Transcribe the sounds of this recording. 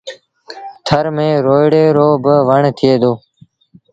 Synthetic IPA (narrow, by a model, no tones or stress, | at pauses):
t̪ʰəɾmẽːɾoːɪɽeːɾoːbəʋəɳt̪ʰɪjeːd̪oː